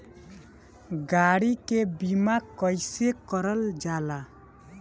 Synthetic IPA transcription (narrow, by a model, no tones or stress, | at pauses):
ɡaɽikebimakəjsekəɾəld͡ʒala